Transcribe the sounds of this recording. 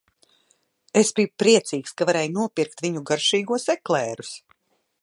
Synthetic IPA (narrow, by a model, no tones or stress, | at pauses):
esbiːpɾiɛt̪siːkskavaɾɛːjunuɔpiɾkt̪vʲiɲuɡaɾʃiːɡuɔsɛklɛːɾus